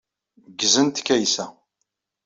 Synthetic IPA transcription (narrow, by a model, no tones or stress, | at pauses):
ɡzənt̪kːæjsæ